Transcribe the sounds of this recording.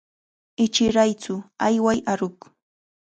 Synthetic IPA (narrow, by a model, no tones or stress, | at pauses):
ɪt͡ʃɪɾajt͡sʊajwajaɾʊk